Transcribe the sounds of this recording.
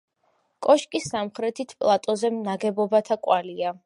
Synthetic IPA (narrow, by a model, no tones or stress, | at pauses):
kʼɔʃkʼisːamχɾɛt̪ʰit̪ʰpʼlˠat̪ʼɔzɛmnaɡɛbɔbat̪ʰakʼwalia